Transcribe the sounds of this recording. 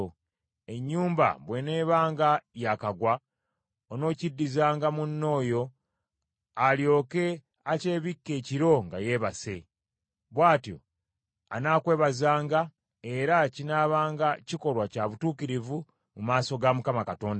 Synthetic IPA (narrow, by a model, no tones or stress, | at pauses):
e̞ɲːuːmba̰βwe̞ne̞ːβaːŋɡajakaɡwa | ono̞ːcidːizaːŋɡamunːo̞ːjo̞ | aljo̞ːke̞ | ace̞ːβikːe̞ːciɾo̞ŋɡaje̞ːβase̞ | βwaːtjo̞̰ | a̰naːkwe̞ːβazaːŋɡa | e̞ɾacinaːβaːŋɡaciko̞lwacaβutuːkiɾivu | mumaːso̞ɡamukamakato̞ːnda